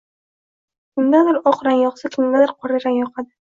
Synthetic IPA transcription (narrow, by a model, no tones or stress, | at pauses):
kʲʰɪmd̪ad̪ɪɾɒqɾanjɒqsakʲʰɪmd̪ad̪ɪɾqʰɒɾɪɾanjɒqʰad̪ɪ